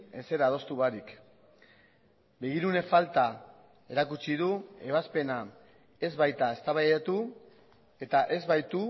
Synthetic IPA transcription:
e̞se̞ɾað̞o̞st̪uɣaɾik | be̞ɣ̞iɾune̞falt̪a | e̞ɾakut͡ʃiðue̞β̞aspe̞na | e̞zβajt̪ae̞st̪aβajat̪u | e̞t̪aʔe̞zβajt̪u

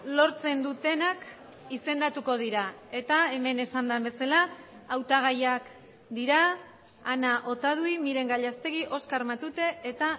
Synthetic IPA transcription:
lo̞ɾt͡se̞nd̪ut̪e̞nak | ise̞nd̪at̪uko̞ð̞iɾae̞t̪ae̞me̞ne̞sand̪ambe̞salaː | wt̪aɣ̞ajak | d̪iɾaː | naʔo̞t̪að̞uimiɾe̞ŋɡaʎast̪e̞ɣiʔo̞skaɾmat̪ut̪e̞et̪a

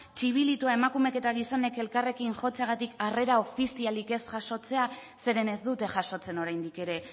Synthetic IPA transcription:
t͡ʃiβ̞ilit̪uae̞makume̞ke̞t̪aɣ̞iso̞ne̞ke̞lkare̞kinʝo̞t͡seaɣ̞at̪ikare̞ɾao̞fisialike̞sʝaʃo̞t͡se̞a | se̞ɾe̞ne̞zd̪ut̪e̞xʝaʃo̞t͡se̞no̞ɾajnd̪ike̞ɾe̞

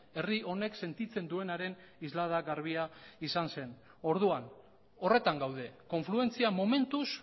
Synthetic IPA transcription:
e̞riʔo̞ne̞kse̞nt̪it͡se̞nd̪ue̞naɾe̞nizlað̞aɣaɾβ̞iaisanse̞n | o̞ɾð̞uan | o̞re̞t̪aŋɡawð̞e̞ko̞ɱflue̞nt͡siamo̞me̞nt̪us

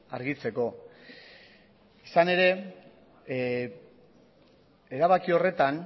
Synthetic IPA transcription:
aɾɣit͡se̞ko̞ | isane̞ɾe̞ | eɾaβakio̞re̞t̪an

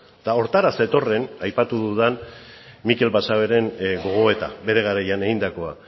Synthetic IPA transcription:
d̪̥ao̞ɾt̪aɾase̞t̪o̞re̞najpat̪uðuðanmike̞lbasaβe̞ɾe̞nɡo̞ɣ̞o̞e̞t̪abe̞ɾe̞ɣaɾajane̞ɣind̪ako̞a̰

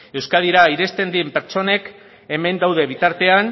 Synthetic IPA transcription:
e̞wskað̞iɾaiɾe̞st̪e̞nd̪iempe̞ɾt͡ʃo̞ne̞k | e̞me̞nd̪awð̞e̞β̞it̪aɾt̪e̞an

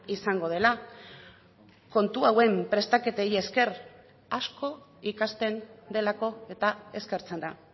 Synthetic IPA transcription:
isaŋɡo̞ðe̞la | ko̞nt̪uawe̞mpɾe̞st̪ake̞t̪e̞je̞ske̞ɾ | asko̞ | ikast̪e̞nd̪e̞lako̞e̞t̪ae̞ske̞ɾt͡se̞nd̪a

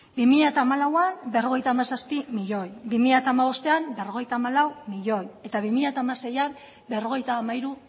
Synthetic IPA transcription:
bimiʎat̪aːmalawambe̞ro̞ɣ̞e̞jt̪aːmasaspimiʎo̞jbimiʎat̪amaβo̞st̪e̞ambe̞ro̞ɣe̞jt̪aːmalawmiʎo̞je̞t̪aβimiʎat̪amase̞jam | be̞ro̞ɣ̞e̞jt̪aːmaiɾu

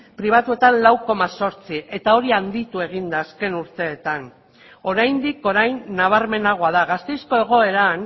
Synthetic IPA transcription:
pɾiβ̞at̪ue̞t̪anlawko̞maso̞ɾt͡siʔe̞t̪ao̞ɾiand̪it̪ue̞ɣ̞ind̪aːske̞nuɾt̪e̞ːt̪an | o̞ɾajnd̪iko̞ɾajnːaβ̞aɾme̞naɣ̞oaðaɣast̪e̞jsko̞e̞ɣ̞o̞e̞ɾan

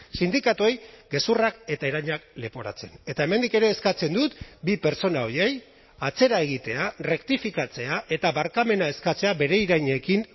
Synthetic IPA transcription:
sind̪ikat̪uejɡe̞surake̞t̪aeɾaɲakle̞po̞ɾa̰t͡se̞ne̞t̪ae̞me̞nd̪ike̞ɾe̞ːskat͡se̞nd̪ut̪bipe̞ɾt͡so̞nao̞ɾje̞j | at͡se̞ɾae̞ɣ̞it̪e̞are̞kt̪ifikat͡se̞aʔe̞t̪aβaɾkame̞nae̞skat͡se̞abe̞ɾe̞iɾajɲe̞kin

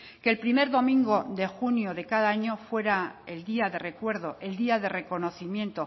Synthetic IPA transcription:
keːlpɾime̞ɾðo̞mĩŋɡoðe̞xunjoðe̞kaðaaɲo̞fwe̞ɾaeld̪iaðe̞re̞kwe̞ɾðoʔe̞ld̪iaðe̞re̞ko̞noθimjẽ̞nt̪o̞

